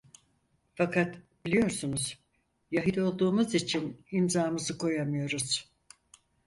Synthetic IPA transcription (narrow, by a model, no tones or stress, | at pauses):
fakʰat̪bilʲijo̞ɾsunuz̥ | jaɦid̪o̞lˠd̪uːmuzit͡ʃʰinimzaːmɯzɯkʰo̞jamɯjo̞ɾuz̥